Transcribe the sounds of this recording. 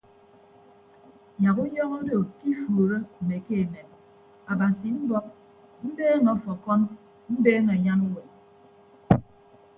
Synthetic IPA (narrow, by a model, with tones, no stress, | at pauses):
ja˨ku˦jɔ˦ŋɔ˦do˨ki˦foː˨ɾo˦m̩˨me˨ke˦e˨ne˨m | a˨ba˨si˨m̩˦bɔ˦ | m̩˦beː˦ma˨ɔ˦fɔ˨fɔ˦m | m̩˦beː˦ma˨ɲa˦nu˦we˨